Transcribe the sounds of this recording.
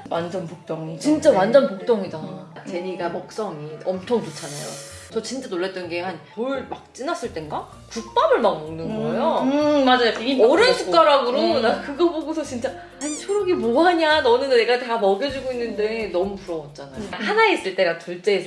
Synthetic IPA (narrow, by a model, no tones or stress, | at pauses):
wand͡ʑʌnpok̚t͈oŋt͡ɕint͡ɕ͈awand͡ʑʌnpok̚t͈oŋidat͡ɕe̞ɲiɡamʌk̚s͈ʌŋiʌmt͡ɕʰoŋt͡ɕot͡ɕʰanajo̰ | t͡ɕʌt͡ɕint͡ɕ͈anoɭːet͈ʌnɡe̞hanpoɭmak̚t͡ɕ͈inas͈ɯɭt͈e̞nɡa | kuk̚p͈abɯɭmaŋmʌŋnɯnɡɡʌjomad͡ʑajoiʌɾɯnsʰuk͈aɾaɡɯɾonakɯɡʌboɡosʰʌt͡ɕint͡ɕ͈a | at͡ɕʰoɾoɡimoɦaɲanʌnɯnne̞ɡateɡamʌɡjʌd͡ʑiɡoinːɯnde̞nʌmupuɾʌwʌt̚t͡ɕ͈anajohanais͈ɯɭt͈e̞ɾatuɭt͡ɕ͈eːsʰ